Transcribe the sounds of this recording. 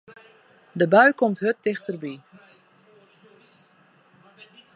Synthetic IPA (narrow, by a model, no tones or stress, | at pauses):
dəbœɥkɔmtɦøtːɪxtərbi